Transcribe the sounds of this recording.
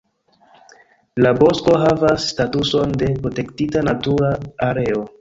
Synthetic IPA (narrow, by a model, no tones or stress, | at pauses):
labo̞sko̞ɦavasːtatuso̞nde̞pɾote̞ktitanatuɾaaɾe̞o̞